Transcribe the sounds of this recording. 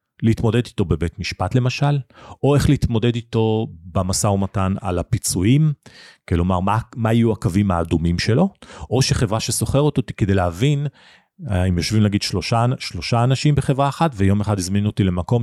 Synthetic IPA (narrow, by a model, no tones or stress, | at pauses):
leiit̪mo̞de̞dit̪o̞bebetmiʃpatle̞maʃalo̞eχliit̪mo̞de̞d̪ito̞bamasaomatana̰lapit͡suimkelo̞maʁmamaajuakavimaːdumimʃe̞lo̞ʔoʃeχevʁaʃeso̞χeʁot̪ot̪i̥ked̪eleavin | aimjo̞ʃvimlaɡid̪ʃloʃaʃlo̞ʃaːnaʃimbeχe̞vʁaːχatvejo̞meχad̪izminuotile̞mako̞m